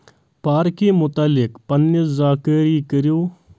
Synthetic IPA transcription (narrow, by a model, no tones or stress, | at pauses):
paːɾkimʊt̪aːlɪkpənːiszaːkəɾiːkəɾjoː